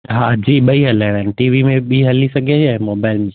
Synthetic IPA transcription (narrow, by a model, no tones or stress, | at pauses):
ɦaːd͡ʑiːɓɐiɦɐlaːɪɽaːnɪʈiːʋimẽɓiːɦɐlisɐɡʱeaːɦɪ̃moːbaːɪlmẽ